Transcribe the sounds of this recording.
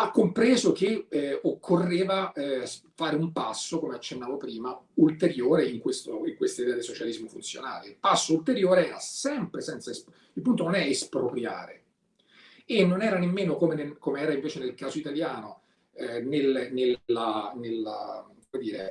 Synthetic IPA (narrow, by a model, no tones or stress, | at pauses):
akːompɾeːzok̟eokʰːorːeːvaɛfaːɾeumpasːokomeat͡ʃːenːaːvopɾiːmault̪eɾjoːɾeiŋkwest̪oiŋkwest̪aid̪ɛːad̪isot͡ʃalizmofunt̪sjo̰na̰ːleilpasːoult̪eɾjoːɾeɛːɾasɛmpɾesɛnt̪saes | ilpunt̪ononɛespɾopɾja̰ːɾḛ | enːonɛːɾanemːeːnokomenekomeɛːɾaiɱveːt͡ʃenelkaːzoit̪aljaːno | nelnelanelakomed̪iːɾḛ